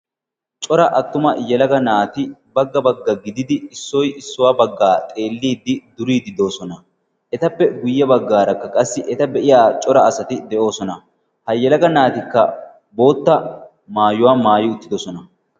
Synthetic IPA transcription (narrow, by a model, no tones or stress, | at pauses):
t͡ʃʼɔɾɐʔɐt̪ːʊmɐjɛlɐɡɐnaːt̪ɪbɐɡːɐbɐɡːɐɡɪd̪ɪd̪ɪɪsːɔjɪsːʊwaːbɐɡːaːt̪ʼe̞ːlːiːd̪ːɪd̪ʊɾiːd̪ɪd̪o̞ːsɔnɐ | ʔɛt̪ɐpːɛɡʊjːɛbɐɡːaːɾɐkːɐkʼɐsːɪʔɛt̪ɐbɛʔɪjaːt͡ʃʼɔɾɐɐsɐt̪ɪd̪ɛʔo̞ːsɔnɐ | hɐjːɛlɐɡɐnaːt̪ɪkːɐ̰ | bo̞ːt̪ːɐ | maːjʊwaːmaːjɪʊt̪ːɪd̪ɔsɔnɐ